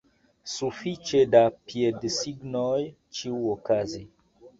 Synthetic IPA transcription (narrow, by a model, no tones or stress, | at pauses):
sufit͡ʃedapiedsiɡnoj | t͡ʃiuokazi